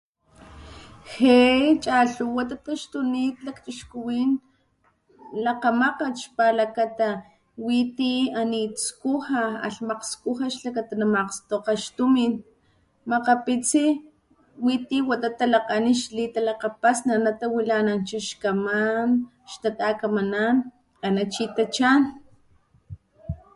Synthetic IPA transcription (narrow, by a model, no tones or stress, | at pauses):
xet͡ʃʼaɬuwat̪at̪aʃt̪uniːt̪lakt͡ʃiʃkuwiːn | laqamaqaʃpalakat̪a | wit̪ianit͡skuhaa̰ɬmaqskuhaʃlakat̪anamaqst̪oqaʃt̪umin | maqapit͡si | wit̪iwat̪at̪alaqaniʃlit̪alaqapasnanat̪awilanant͡ʃaʃkaman | ʃt̪at̪akamanan | anat͡ʃit̪at͡ʃan